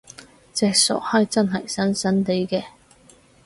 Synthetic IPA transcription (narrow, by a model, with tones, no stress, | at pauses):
t͡sɛː˧k̚sɔ̰ː˨˩k̚hɐ˨˧jt͡sɐ˥nɦɐ˨˩jsɐ˥nsɐ˥nt̪e˨˥jkɛː˧